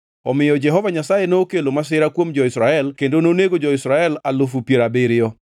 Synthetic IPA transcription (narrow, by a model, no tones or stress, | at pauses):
ɔmɪjɔd͡ʒɛɦɔvaɲasajenoːkelomas̬ɪɾakwomd͡ʒɔɪsɾaɛlkendononeɡod͡ʒɔɪsɾaɛlalʊfupjeɾabɪɾɪɔ